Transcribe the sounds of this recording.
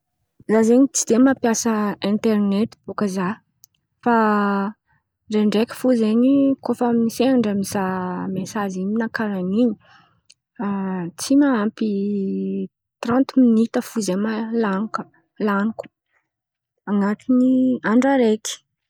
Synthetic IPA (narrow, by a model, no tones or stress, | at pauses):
zazeɲit͡sid̪̥emapjasəẽnt̪ernet̪i̥b̥okəza | fa | ɳɖ͡ʐeɳɖ͡ʐekə̥fuzeɲikʰofamniseaɳɖ͡ʐamnzamesaziminakaɾaniɲi | t͡simaampi | t̪rãnt̪minit̪əfuzemalanukə̥ | lanuku̥ | aŋat̪iniaɳɖ͡ʐaɾeki̥